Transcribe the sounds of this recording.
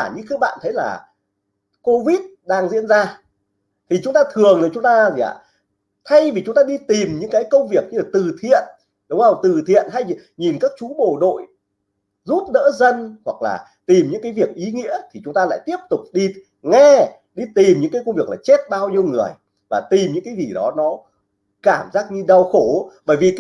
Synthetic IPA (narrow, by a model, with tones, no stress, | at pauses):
a˧˩ɲɨ̰˧˥ŋxk̚ɓa̰ː˧˨nt̪ʰə˨˦jla̰ː˨˩ | ko˧vi˦˥t̚ɗaː˧ŋzḭ˧˥ənzaː˧ | t̪ʰi˨˩t͡ɕʊ˨˦ŋ͡mt̪aː˧t̪ʰɨ˨˩əŋəː˨˩t͡ɕʊ˨˦ŋ͡mt̪aː˧zḭ˧˨ʔa̰˧˨ | t̪ʰa˧jvi˨˩t͡ɕʊ˨˦ŋ͡mt̪aː˧ɗi˧t̪i˨˩mɲɨ̰˧˥ŋkaː˨˦jkə˧wŋ͡mvi˨˩ək̚ɲɨ˧laː˨˩t̪ɨ˨˩t̪ʰḭ˧˨ən | ɗə˨˦wvt̪ɨ˨˩t̪ʰḭ˧˨ənt̪ʰa˧jɲi˨˩nkaː˦˥k̚t͡ɕu˨˦ɓo̰˧˩ɗo̰˧˨j | zu˦˥t̚nə̰ː˧˥zə˧nhwa˨˩k̚la̰ː˨˩ | t̪i˨˩mɲɨ̰˧˥ŋkaː˨˦jvi˨˩ək̚ʔi˨˦ŋḭ˧˥ət̪ʰi˨˩t͡ɕʊ˨˦ŋ͡mt̪aː˧la̰ː˧˨jt̪i˦˥əp̚t̪ʊ˨˩k͡p̚ɗi˧ | ŋɛ˧ | ɗi˧t̪i˨˩mɲɨ̰˧˥ŋkaː˨˦kə˧wŋ͡mvi˨˩ək̚laː˨˩t͡ɕe˦˥t̚ɓaː˧wɲi˧əwŋɨ˨˩əj | vaː˨˩t̪i˨˩mɲɨ̰˧˥ŋkaː˨˦jzi˨˩ɗɔ˨˦nɔ˨˦ | kaː˧˩mzaː˦˥k̚ɲɨ˧ɗa˧wxo˧˩ɓəː˧˩jvi˨˩